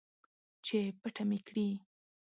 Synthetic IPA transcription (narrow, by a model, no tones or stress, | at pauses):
t͡ʃepəʈamekɽi